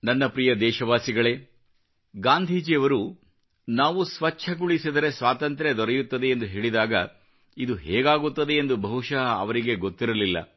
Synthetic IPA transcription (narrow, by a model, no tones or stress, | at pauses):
nɐnːɐpɾijɐd̪ɛːʃɐʋaːsiɡɐɭe̞ː | ɡaːnd̪ʱiːd͡ʒiɐʋɐɾu | naːʋusʋɐt͡ʃːʃʰɐɡuɭisid̪ɐɾe̞sʋaːt̪ɐnt̪ɾed̪ɔɾɛjut̪ːɐd̪e̞ːnd̪uɦeːɭid̪aːɡɐ | id̪uɦɛːɡaːɡut̪ːɐd̪e̞ːnd̪ubʱɐɦuʃɐɐʋɐɾiɡe̞ɡo̞t̪ːiɾɐlilːɐ̰